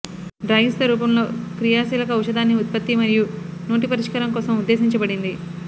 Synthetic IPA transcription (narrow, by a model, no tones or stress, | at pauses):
ɖɾɐːjisʋɐɾuːpɐmlo̞ːkɾijaːsiːlɐk̬ɐuʃɐd̪aːnːiut̪̚pɐt̪ːimɐɾijuno̞ːʈ̬ipɐɾiʂkɐɾɐŋkɔːsɐmud̪ːe̞ːsiɲt͡ʃɐbɐɽind̪i